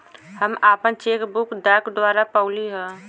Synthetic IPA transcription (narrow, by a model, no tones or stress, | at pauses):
həmaːpənt͡ʃeːkbʊkd̪aːkd̪ʋaːɾapəːliɦɛ̃ː